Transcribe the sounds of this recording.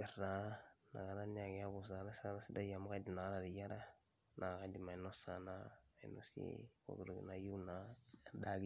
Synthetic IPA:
e˨ɾna˨na̰˨ɡa˨ɾa˦ni˦a˨ɡi˦a˦ɡu˨s̬a˨˦ɾa˦sa˦ɾa˦si˦da˦ja˨ma˦ka˦di˨mna˨ɣa˦ɾa˨ɾi˨ja˦ɾa˦ | na˨ka˦di˨ma˨i˨no˦sa˨naː˦˨ḭ˨no̰˦sḛ˦ko̰˨ɡu˨ɾɡḭ˨na˨ju˦na˦˨da˨ɡ

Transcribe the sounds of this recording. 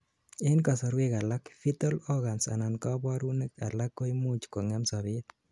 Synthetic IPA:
e˦nka˨sɔ˨ɾweka˨lakfi˦to˦lɔɣa˨nsa̰˨na˨nkɑ˦bɔ˦ɾu˦neka˨lakːo˦jmu˦t͡ʃko˨ŋamsaβɪt̪

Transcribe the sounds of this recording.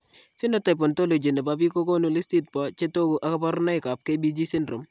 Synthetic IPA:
fɪ˦nɔ˦ta˨jpɔ˨nto˦lo˨d͡ʒi˨nɛ˨pap̬i˦ko˦ko˦nu˨li˦sti˦t̚pa˨t͡ʃe˦to˦ku˨ʔa˦ka˦pa˦ɾna˦ɪka˨p̚ke˦bi˦d͡ʒi˦si˦ndɾo˨m

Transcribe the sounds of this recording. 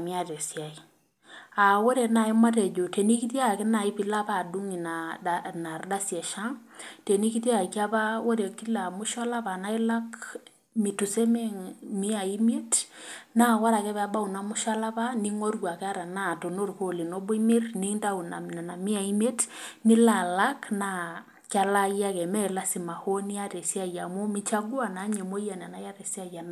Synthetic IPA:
mi˦a˨te˨sja˨i˨ | a˨wo˦ɾe˨na˨i˦ma˦t̬ɛ˨d͡ʒo˨te˨ni˦ki˦t̬jkɪ˦na˨ɪ˦pi˨la˦pa˦˨du˦ŋi˨nana˨rda˦sjɛ˨ʃa˦ŋ | te˨ni˦ki˦t̬a˨ka˦pa˦wo˦ɾe˨ki˦la˨mʊ˦ʃa˦la˦pa˨na˦i˦la˦k | mi˨tu˨se˦me˦ŋmi˦a˨i˦m˦e˦tna˦ɣa˦ɾa˨kɛ˦βa˦ba˦u˨na˨mu˦ʃa˦la˦βa˦ni˦ŋo˦ɾwa˨kɛ˦a˦ɾa˨na˦˨to˨no˦ɾu˨ko˨le˨no˦bo˦mi˦rni˦ŋda˦u˨na˨na˨na˨mi˦a˨i˦mɛ˦tni˦la˨la˦kna˨ | ka˦la˦ja˦ɣɛ˨mɛ˦la˦si˨ma˨ho˦ni˦a˦ɾɛ˨sja˦ja˨mo˦mi˦t͡ʃa˦ɡu˦a˨na˨˦ɲɛ˨mo˦ja˨na˨na˨˦ja˦ɾɛ˨sja˦ja˨n

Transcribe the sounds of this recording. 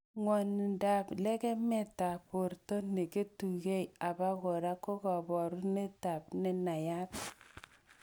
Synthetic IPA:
ŋɔ˨n˨da˨plɛ˦kɛ˦mɛ˦˨ta˨po˨ɾtɔ˦ne˨ke˦tu˨ɡe˦ja˨ba˦ɣo˨ɾa˦ko˦ɡɔ˨bɔ˨ɾu˦ne˦ta˨pnɛ˨na˨ja˦t

